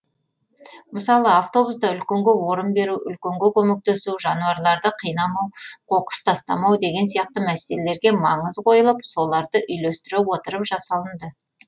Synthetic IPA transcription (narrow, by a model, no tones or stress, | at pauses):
məsɑlˠəaft̪o̞busd̪ɑʏlkʲe̞ŋɡʲewo̞ɾənbe̞ɾuʔʏlkʲeŋɡʲekʲʰɵmek̚t̪esuʒɑnuɑɾlˠɑɾd̪əqʰijnɑmɑwqʰo̞qə̥st̪ʰɑst̪ɑ̰mɑwd̪e̞ɡʲe̞nsijɑq̚t̪əmæse̞lele̞ɾɡʲe̞mɑɴəzqʰo̞jəlˠəpso̞lˠɑɾd̪əʔʏjlest̪ɪɾewo̞t̪əɾəpʒɑsɑlˠənd̪ə